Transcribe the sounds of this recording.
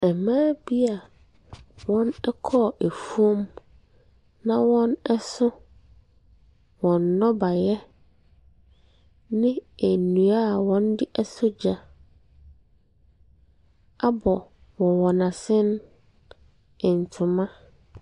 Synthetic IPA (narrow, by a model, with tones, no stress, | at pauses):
ɛ˨mãː˦bi˦a˨ | wɔ̃˦nɛ˦kʰɔ˦˨ʔæ˨fu˦o˦m | nã˦wɔ̃˦nɛ˦sʊ˦ | wɔ̃˨nːɔ̃˦ba˨jɛ˦ | nɪ̃˦æ˨nũ˨a˦˨wɔ̃˦n˦dɪ˦ʔɛ˦sʊ˦d͡ʑa˨ | a˦bɔ˨ | wɔ̃˨wɔ˨nã˨sɪ̃˦n˦ | ɪ̃˨n̩˨tʰʊ˨mã˦